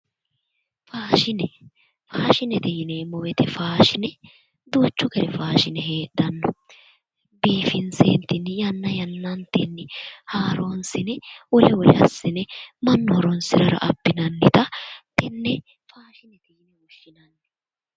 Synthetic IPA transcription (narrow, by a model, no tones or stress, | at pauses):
faːʃɪnɛ | faːʃɪnɛt̪ɛjɪneːmɔwɛt̪ɛfaːʃɪnɛ | d̪uːt͡ʃːʊkɛɾɛfaːʃɪnɛɦeːɗɐnːɔ | biːfɪnsḛːnt̪ːɪnːɪjɐnːɐjɐnːɐnt̪ɪnːɪhaːɾoːnsɪnɛwɔlɛwɔlɛ̰ɐ̰sːɪnɛmɐnːɔhɔɾɔnsɪɾɐɾɐ̰ʔɐpːɪnɐnːɪt̪ɐt̪ɛnːɛ | faːʃɪnɛt̪ɛjɪnɛʊʃːɪnɐnːɛ